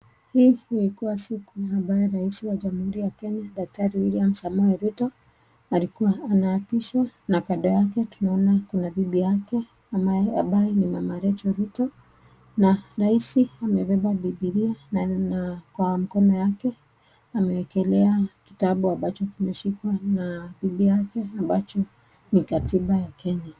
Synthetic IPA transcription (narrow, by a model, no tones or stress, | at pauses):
hiːilikuwasikuambajɛɾaisiwaʄamuhuɾijakɛɲaɗak̚taɾiwiliam̩samɔɛɾutɔ | alikuwaːnaːpiʃwanakaɗɔjakɛtunaɔnakunabiɓijakɛ | ambaɛamɓajɛnimamaɾɛt͡ʃɔɾutɔ | naɾaisiamɛɓɛɓaɓiɓiɾiannakwam̩kɔnɔjakɛ | amɛɛkɛlɛaki̥taɓuambat͡ʃɔkimɛʃikwanabiɓijakɛambat͡ʃɔ | nikatiɓajakʰɛɲa